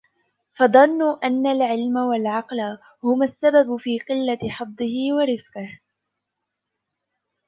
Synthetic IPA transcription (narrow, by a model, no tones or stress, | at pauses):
fɑðˤɑnːʊʔanːalʕɪlmawalʕɑqla | hʊmasːababfiːqɨlːaħɑd̪ˤːɨhɪwaɾɪzqɪh